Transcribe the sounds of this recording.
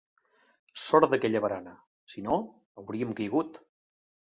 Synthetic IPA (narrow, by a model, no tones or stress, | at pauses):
sɔɾd̪əkɛʎəβəɾanə | sino | əwɾiəmkəjɣut̪